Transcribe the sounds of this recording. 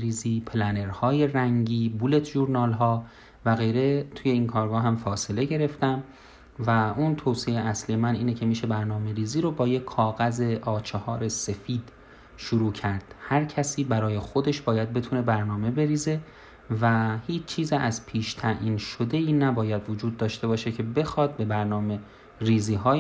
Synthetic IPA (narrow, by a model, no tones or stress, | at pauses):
ɾiːziːpʰelæneɾhɒːje̞ræŋɟiːbule̞t̪ʰʒuɾnɒːlɦɒː | væɣejɾe̞t̪ʰuːjeiːnkʰɒːɾɡɒːɦæmfɒːse̞le̞ɟe̞ɾe̞ft̪æm | væʔunt̪ʰowsieʔæsliːjemænʔiːnecʰe̞miːʃe̞bæɾnɒːme̞ɾiːziːɾobɒːjekʰːɒːɣæze̞ʔɒːt͡ʃʰehɒːɾe̞se̞fiːd̪̥ | ʃoɾuːcʰæɾd̪̥hæɾcʰæsiːbæɾɒːjexo̞d̪e̞ʃb̥ɒːjæd̪̚be̞t̪ʰune̞bæɾnɒːme̞be̞ɾiːze̞ | væhiːt͡ʃʰt͡ʃʰːiːziʔæzpʰiːʃt̪ʰæʔiːnʃod̪e̞iːnæbɒːjæd̪vod͡ʒuːd̪̚ːɒːʃt̪e̞bɒːʃe̞cʰe̞be̞xɒːd̪̚be̞bæɾnɒːme | riːziːɦɒː